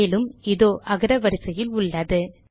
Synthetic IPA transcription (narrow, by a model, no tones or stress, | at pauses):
lɯmɪðoːʔɐɣɐɾɐʋɐɾɪsɐjɪlʊɭːɐðɯ